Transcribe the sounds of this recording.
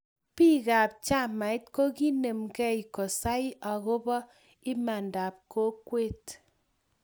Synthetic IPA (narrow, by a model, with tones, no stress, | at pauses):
pi˦ka˨p̚t͡ʃa˦ma˨ɪ˦tko˦ki˦ne˨mkɛ˦i˨ko˨sa˦i˦ʔa˨ko˦bɔ˦ | i˦ma˨nda˨p̚ko˦kwe˦t